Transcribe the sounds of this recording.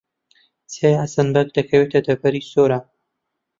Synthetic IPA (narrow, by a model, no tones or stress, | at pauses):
t͡sʰejasɐnbɐk̚d̪ɐkʰɐwet̪ʰɐd̪ɐbɐɾisoːɾa